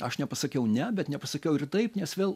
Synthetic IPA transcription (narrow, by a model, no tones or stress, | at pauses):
ɐʃnʲɛpɐsɐkʲɛʊnʲɛbʲɛt̪nʲɛpɐsɐkʲɛʊɪrt̪ɐɪpnʲɛsʋʲeːlˠ